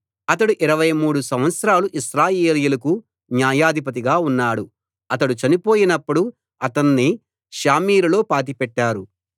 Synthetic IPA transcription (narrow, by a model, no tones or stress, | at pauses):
ɐt̪ɐɽuʔiɾɐʋɐjmuːɽusɐ̃mʋɐt̪sɐɾaːluʔiʃɾaːjeːlijulɐku | njaːjaːd̪ʱipɐt̪̬iɡaːunːaːɽu | ɐt̪ɐɽut͡ʃɐnipoːjinɐpːuɽu | ɐt̪ɐnːi | ʃaːmiːɾulo̞ːpaːʈ̬ipɛʈːaːɾu